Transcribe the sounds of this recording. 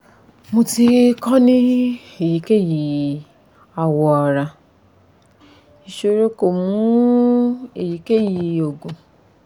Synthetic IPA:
mũ˧ti˧kɔ˦nĩ˦ | e˨ji˨ke˦ji˨ | a˨wɔ˨a˨ɾa˧ | i˧˨ʃo˧˦ɾe˦ko˨mũ˦ | e˨ji˨ke˦ji˧o˨ɡũ˨

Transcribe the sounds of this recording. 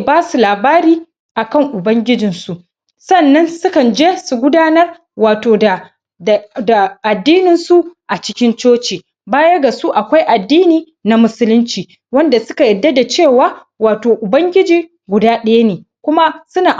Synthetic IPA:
baː˦su˨laː˨baː˦ɾiː˦ | ʔa˨kɐ˦˨ŋʔʊ˨bɐ˦ŋɡʲɪ˦d͡ʒɪ˨nsu˨ʔ | sɐ˦nːɐ˦nsʊ˦kɐ˨nd͡ʒeː˦su˨ɡʷʊ˦daː˦nɐ˦r | waː˨toː˨da˨ | da˨ʔa˨dːiː˦nɪ˨nsu˦ʔʔa˨t͡ʃɪ˦kʲɪ˦nt͡ʃoː˦t͡ʃiː˨ | baː˦jɐ˦ɡa˨su˦ʔa˨kʷa˦jʔa˨dːiː˦niː˨ | na˨mʊ˦sʊ˦lʊ˦nt͡ʃiː˨ | wɐ˦nda˨sʊ˦ka˨jɐ˨dːa˦da˨t͡ʃeː˦˨waː˦ | waː˨toː˨ʔʊ˨bɐ˦ŋɡʲɪ˦d͡ʒiː˨ | ɡʷʊ˨daː˦ɗɐ˦ja˦neː˨kʷʊ˦ma˦sʊ˦naː˨ʔ

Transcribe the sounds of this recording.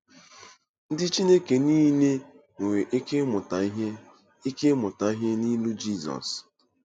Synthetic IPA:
n̩˦dɪ˦t͡ʃi˦ne˦ke˨niː˦ne˦ | ŋe˨we˨ʔe˦ke˦mʊ˨ta˨˦ɦe˦ | e˦ke˦mʊ˨ta˨i˦ɦe˦ni˦lu˦d͡ʒi˦˨zɔ̰˨s

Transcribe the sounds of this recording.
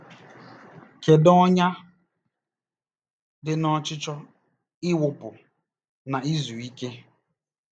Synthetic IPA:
ke˨dɔ˦ɲa˦ | dɪ˨nɔ˦t͡ʃɪ˦t͡ʃɔ˦ | ɪ˦wʊ˨pʊ˨ | na˨i˦zu˨i˦ke˦

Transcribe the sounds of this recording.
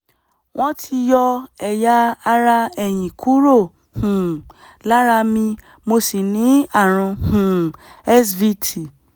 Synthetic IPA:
w̃ɔ̃˦tʰi˧jɔ˧ɛ˨ja˧a˧ɾa˧ɛ˨j̃ĩ˨kʰu˨˦ɾo˦˨ | hũ˨ | la˦ɾa˧mĩ˧ | mo˧si˨nĩ˨˦a˦˨ɾ̃ũ˧hũ˨ɛ˦svi˧tʰi˨

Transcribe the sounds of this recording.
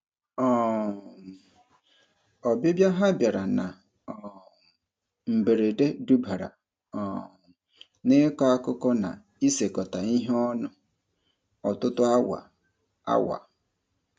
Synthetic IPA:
ɔ˨ | ɔ˨be˦bja˦ɦa˦bja˨ɾa˨na˨ | m̩˨be˨ɾe˨de˦du˦ba˨ɾa̰˨ | ɔ˨ | nɪ˦kɔ˦a˦kʊ˦kɔ˦na̰˨ | i˦se˨kɔ˨ta˨i˦ɦe˦ɔ˦nʊ˦ | ɔ˨tʊ˦tʊ˦a˦wa̰˨ | a̰˦wa̰˨

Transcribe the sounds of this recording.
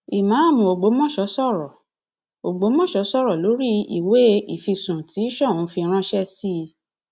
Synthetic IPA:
i˨mã˨˦a˦˨mũ˧˨o˨ɡ͡bo˨˦mɔ̃˦˨ʃɔ˨˦sɔ˦˨ɾɔ˨ | o˨ɡ͡bo˨˦mɔ̃˦˨ʃɔ˨˦sɔ˦˨ɾɔ˨lo˨˦ɾi˦ḭ˨we˨˦i˦˨fi˧sũ˨ti˨˦i˦ʃɔ˦˨ũ˨˦fi˧ɾ̃ã˦ʃɛ˦si˦˧

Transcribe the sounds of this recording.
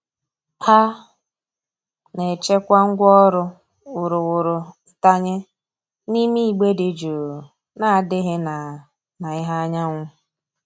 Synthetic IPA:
ha˦ | ne˨t͡ʃe˦kʷa˦ŋ̩˦ɡʷɔ˦ɾʊ˦ | wʊ˨ɾʊ˨wʊ˨ɾʊ˨˦˨ | ta˦ɲe˦ | ni˦mi˦˨ɡ͡be˦de˨d͡ʒo˨ | na˦a˨dɪ˦ɦɪ˦na˨ | na˨ɪ˦ɦa˦a˦ɲa˦ŋʷʊ˦

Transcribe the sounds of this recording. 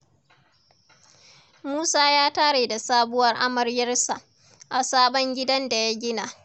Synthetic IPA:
muː˦saː˦jaː˦taː˦ɽeː˨da˨saː˦bʊ˦wɐ˦rʔa˦mɐ˨rjɐ˦rsa˨ʔ | ʔa˨saː˦ɓɔ˦ŋɡʲɪ˦dɐ˦nda˨ja˦ɡʲɪ˦naː˨

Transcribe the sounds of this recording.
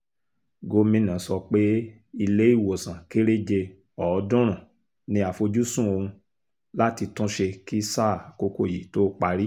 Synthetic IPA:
ɡo˧˦mĩ˦nã˨sɔ˧k͡pe˦ | i˧le˨˦i˦˨wo˨sã˨ke˦ɾe˦d͡ʒe˧ | ɔ˨˦dũ˦ɾ̃ã˨ | nĩ˧a˨fo˧d͡ʒu˦sũ˦o˧hũ˧ | la˦ti˧tũ˦ʃe˧ki˦saː˦˨ko˧˦ko˦˨ji˨to˦k͡pa˧ɾi˦

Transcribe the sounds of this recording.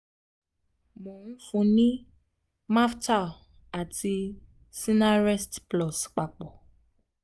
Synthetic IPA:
mɔ̃˨ŋũ˦fũ˧nĩ˦ | mã˦fta˦˨ | a˨tʰi˧ | si˦na˦ɾɛ˦stplɔ˨sk͡pa˨k͡pɔ˨

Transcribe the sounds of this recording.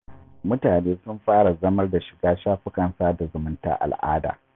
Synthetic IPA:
mʊ˦taː˨neː˦sʊ˦mɸaː˦ɽa˨zɐ˦mɐ˦rda˨ʃɪ̥˨ɡaː˦ʃaː˦ɸɪ˦kɐ˨nsaː˦da˨zʊ˨mʊ˦nta̰ː˦ʔa̰˨lʔa̰ː˦da̰ː˨

